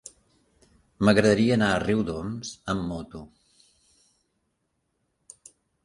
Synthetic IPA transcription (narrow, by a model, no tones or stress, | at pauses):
məɣɾəðəɾiəːnaəriwd̪ɔmzəmːot̪u